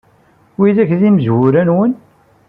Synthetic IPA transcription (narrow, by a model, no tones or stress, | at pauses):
wiðæçðiməzwʊɾænwən